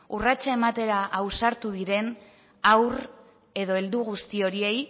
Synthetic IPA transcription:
urat͡ʃae̞mat̪e̞ɾaʔːwsaɾt̪uðiɾe̞n | awr | e̞ð̞o̞e̞ld̪uɣ̞ust̪io̞ɾie̞j

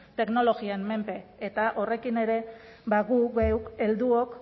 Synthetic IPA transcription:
t̪e̞kno̞lo̞ɣianːe̞mpe̞ːt̪aʔo̞re̞kine̞ɾe̞ | βaɣuɣewke̞ld̪uok

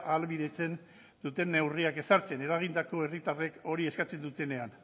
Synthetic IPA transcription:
ʔalβiðe̞t͡se̞n | d̪ut̪e̞nːe̞wriake̞saɾt͡se̞ne̞ɾaɣ̞ind̪ako̞e̞rit̪are̞ko̞ɾie̞skat͡se̞nd̪ut̪e̞ne̞an

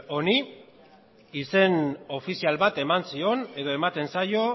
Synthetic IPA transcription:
o̞ni | ise̞no̞fisialβat̪e̞mansio̞ne̞ðo̞e̞mat̪e̞nsajo̞

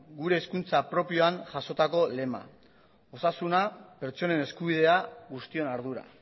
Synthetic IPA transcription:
ɡuɾe̞ːskunt͡sapɾo̞pio̞anʝaso̞t̪ako̞le̞ma̰ | o̞sasunape̞ɾt͡ʃo̞ne̞ne̞skuβ̞ið̞e̞aɣust̪io̞naɾðuɾa̰

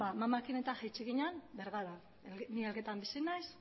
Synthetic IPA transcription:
bamamakine̞t̪axajt͡ʃiɣiɲanbeɾɣaða | elnielɣe̞t̪ambisinajs

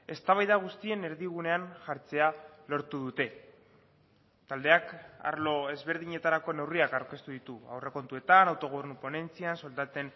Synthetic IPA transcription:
e̞st̪aβajðaɣ̞ust̪ie̞ne̞ɾðiɣ̞une̞anʝaɾt͡se̞alo̞ɾt̪uð̞ut̪e̞ | t̪ald̪e̞aka̰ɾlo̞e̞zβe̞ɾð̞iɲe̞t̪aɾako̞ne̞wriakaɾke̞st̪uðit̪ua̰wre̞ko̞nt̪ue̞t̪anawt̪o̞ɣ̞oβeɾnupo̞ne̞nt͡sianso̞ld̪at̪e̞n

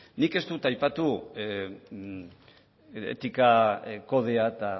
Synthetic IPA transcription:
nike̞st̪ut̪ajpat̪u | ḛt̪ikako̞ð̞e̞at̪a

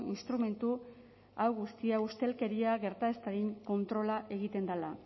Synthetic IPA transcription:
inst̪ɾume̞nt̪u | awɣust̪iaust̪e̞lke̞ɾiaɣe̞ɾt̪ae̞st̪aɾiŋko̞nt̪ɾo̞laʔe̞ɣit̪e̞nd̪ala̰

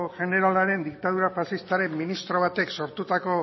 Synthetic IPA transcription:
ʝe̞ne̞ɾalaɾe̞nd̪ik̚t̪að̞uɾapasist̪aɾe̞mːinist̪ɾo̞β̞at̪e̞kso̞ɾt̪ut̪ako̞

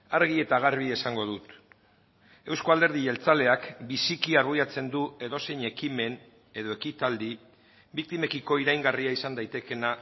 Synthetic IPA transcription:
aɾɣ̞ie̞t̪aɣ̞aɾβie̞saŋɡo̞ð̞ut̪ | e̞wsko̞ald̪e̞ɾð̞iʝe̞lt͡sale̞akbisikiaɾɣujat͡se̞nd̪ue̞ðo̞se̞jɲe̞kime̞n | e̞ðo̞e̞kit̪ald̪i | bik̚t̪ime̞kiko̞iɾajŋɡariaisand̪ajt̪e̞ke̞na

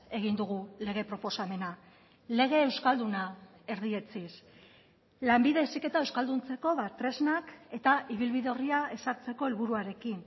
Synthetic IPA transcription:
e̞ɣ̞ind̪uɣule̞ɣ̞e̞pɾo̞po̞same̞na | le̞ɣ̞e̞ːwskald̪una | e̞ɾðie̞t͡sis | lambiðe̞sike̞t̪ae̞wskald̪unt͡se̞ko̞βat̪ɾe̞znake̞t̪aiβ̞ilβiðeo̞riae̞saɾt͡se̞ko̞elβuɾuaɾe̞kin

